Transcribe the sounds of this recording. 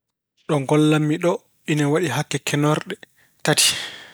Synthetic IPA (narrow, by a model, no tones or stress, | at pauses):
ɗɔŋɡɔlːamːiɗɔ | ʔinawaɗiɦakːɛkʰɛnɔɾɗɛ | tatʰi̥